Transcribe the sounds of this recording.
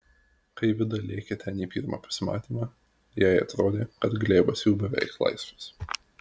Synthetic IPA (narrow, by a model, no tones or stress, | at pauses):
kɐɪʋʲɪd̪ɐlʲeːkʲɛt̪ʲɛniːpʲḭːɾmɑ̰ːpɐ̥sʲɪmɑ̰ːt̪ʲiːmɑː | jæɪɐ̰t̪ɾoːd̪ʲeːkɐt̪ɡlʲeːbɐsjuːbʲɛʋʲɛ̰ɪklˠɐ̰ɪsʋɐs